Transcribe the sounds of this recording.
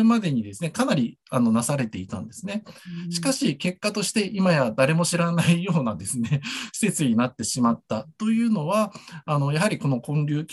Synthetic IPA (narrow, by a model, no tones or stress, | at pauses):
ɯmad̪e̞ɲ̟id̪e̞sɨne̞kanaɾʲi | ano̞nasaɾe̞t̪e̞it̪ã̰nd̪e̞sɨne̞ɕi̥kaɕike̞kːat̪o̞ɕi̥t̪e̞ʔimajad̪aɾe̞mo̞ɕiɾanaijo̞ːnad̪e̞sɨne̞ɕi̥se̞t͡sɨɲ̟inat̪ːe̞ɕimat̪ːat̪o̞jɯ̟ːno̞βaːno̞jaɦaɾʲiko̞no̞kõ̞nɾʲɨːkʲ